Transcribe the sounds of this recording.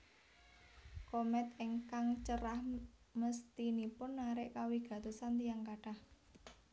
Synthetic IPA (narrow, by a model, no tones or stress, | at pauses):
komɛt̪ɪŋkaŋt͡ʃəɾah | məst̪inipʊnːaɾɪʔkawiɡ̥ä̤t̪osant̪ijaŋkaɖ̥ah